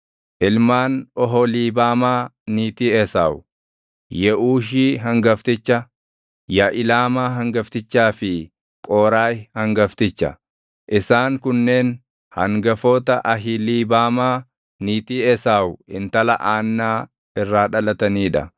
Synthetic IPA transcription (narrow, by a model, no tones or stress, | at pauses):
ʔɪlmaːnɔɦɔliːbaːmaːniːt̪iːɛsaːwʊ | jɛʔuːʃ̬iːɦɐŋɡɐft̪ɪt͡ʃːɐ | jɐʔɪlaːmaːɦɐŋɡɐft̪ɪt͡ʃːaːfɪ | kʼoːɾaːjhɐŋɡɐft̪ɪt͡ʃːɐ̰ | ʔɪsaːŋkʊnːe̞ːn | hɐŋɡɐfoːt̪ɐʔɐɦɪliːbaːmaː | niːt̪iːɛsaːwʊɪnt̪ɐlɐ̰ʔaːnːaː | ɪrːaːᶑɐlɐt̪ɐniːᶑɐ̰